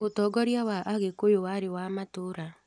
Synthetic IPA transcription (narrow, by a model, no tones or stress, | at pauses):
otɔɡɔɾjawaʔaɣekojowaɾewamatoɾa